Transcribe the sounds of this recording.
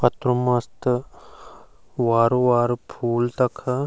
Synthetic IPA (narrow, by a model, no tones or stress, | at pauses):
pɐt̪ɾumɐst̪ | ʋaːɾuʋaːɾpʰuːlt̪ɐkʰɐ